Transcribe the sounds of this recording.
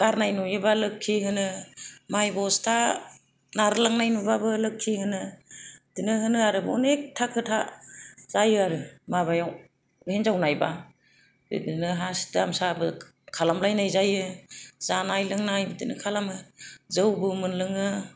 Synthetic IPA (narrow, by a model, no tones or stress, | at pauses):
kaɾnajnujɯbalɯkʰːiɦɯnɯmajbɔstʰa | naɾɯlaŋnajnubabɯlɯkʰːihɯnɯdinɯɦɯnɯaɾɯbɔ̰nek̚tʰakʰɯtʰaz̥ajɯaɾɯmaβajaw | henzawnajba | bɯ̰dinɯɦasi̥damsabɯ | kʰalamlajnajzajɯzanajlɯŋnajbɯdinɯkʰalamɯzɯwbɯmɯnlɯŋɯ